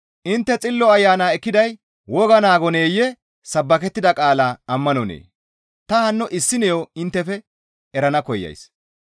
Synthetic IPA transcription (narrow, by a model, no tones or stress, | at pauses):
ʔɪnt̪ːɛt͡sʼɪlːɔɐjːaːnaːɛkːɪd̪ɐj | wɔɡɐnaːɡɔne̞ːjɛ | sɐbːɐkɛt̪ːɪd̪ɐkʼaːlaːɐmːɐnɔnḛː | t̪ɐhɐnːɔʔɪsːɪnɛjoɪnt̪ːɛfɛ | ɛɾɐnɐkɔjːɐ̰js